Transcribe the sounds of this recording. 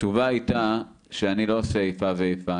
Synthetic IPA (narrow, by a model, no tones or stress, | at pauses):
t͡ʃuvajta | ʃeanilooseːjfaveejfa